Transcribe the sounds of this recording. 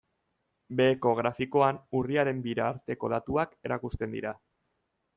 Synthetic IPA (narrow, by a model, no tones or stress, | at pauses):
be̞ːko̞ɣɾafiko̞anuriaɾe̞mbiɾaːɾt̪e̞ko̞ðat̪uake̞ɾakust̪e̞nd̪ḭɾa